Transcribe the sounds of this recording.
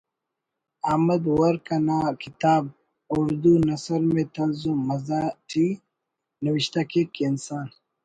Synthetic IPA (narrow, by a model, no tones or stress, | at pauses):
amɐd̪wɐɾkɐnaːkit̪aːb̚ | ʊɾd̪unɐsəɾmẽt̪ɐnzumɐzaːʈʰi | nɐwiɕt̪akekiinsaːn